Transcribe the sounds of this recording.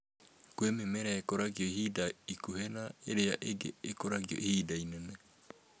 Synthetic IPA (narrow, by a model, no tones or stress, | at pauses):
kwememeɾaekoɾaɣjɔihidaikuhenaeɾea̰ʔeɡḛːkoɾaɣiɔ̰ʔihidainɛnɛ